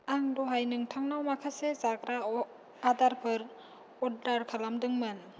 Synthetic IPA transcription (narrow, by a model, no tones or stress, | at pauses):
aŋdɔɦajnɯŋtʰaŋnawmakʰasezakɾaː | daɾpʰɯɾ | ɔdaɾkʰalamdɯŋmɯn